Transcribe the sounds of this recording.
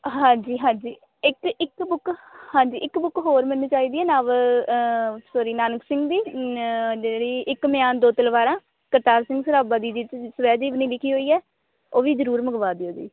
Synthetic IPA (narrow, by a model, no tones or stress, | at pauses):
ɦãːɲd͡ʒiːɦãːɲd͡ʒiː | ɪkɪkbʊkhãːɲd͡ʒiːʔɪkbʊkɦoːɾmənːũːt͡ʃaːiːd̪iːɛːnaːʋ | soːɾiːnaːnəksɪ̃ŋɡd̪iː | d͡ʒeɽiːʔɪkmɪjaːnd̪oːt̪əlʋaːɾãː | kəɾt̪aːɾsɪ̃ŋɡsəɾaːbaːd̪iːd͡ʒɪt͡ʃsəʋɛːd͡ʒiːʋniːlɪkʰiːɦoːiːɛː | oːʋiːzəɾuːɾməɡʋaːd̪iːoːd͡ʒḭː